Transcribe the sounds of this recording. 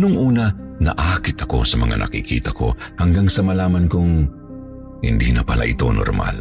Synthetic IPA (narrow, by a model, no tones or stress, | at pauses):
nʊŋʔuːnɐ | nɐ̰ʔaːkɪt̪ɐko̞̰sɐmɐŋa̰nʔɐ̰kikḭːt̪ɐko̞̰hɐŋɡaŋsɐmɐlaːmɐnkʊŋ | hɪ̰nd̪inɐpɐlʔa̰ʔɪt̪o̞̰no̰ɾma̰l